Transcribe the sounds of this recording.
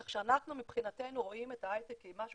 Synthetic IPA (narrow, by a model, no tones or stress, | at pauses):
aχʃeanaχnumipχinate̞jnuʁo̞ime̞taajt̪ekimaʃu